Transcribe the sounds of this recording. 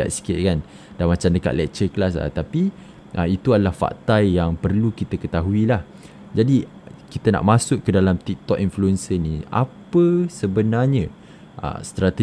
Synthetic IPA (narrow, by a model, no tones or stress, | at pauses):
a̰ʔ̪si̥kɪʔ̪̚kan | damat͡ʃamdəka̰ʔ̪lɛ̰k̚t͡ʃəklas̬ə̰t̪api | ʔəit̪uadalahfa̰ʔt̪ajjaŋpərlukit̪akət̪aɦuilah | d͡ʒadi | kit̪əna̰ʔmãsʊʔːədalamt̪ik̚t̪ɔʔinfluɛnsənia̰pəsəbənarɲə̃ | ʔə̰st̪ɾat̪ə